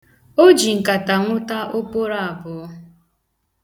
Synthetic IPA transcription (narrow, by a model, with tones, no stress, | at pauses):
o˦d͡ʒi˨ŋ̩˨ka˨ta˨ŋʷʊ˦ta˦ʔo˦po˦ɾa˦a˨bʊ˨˦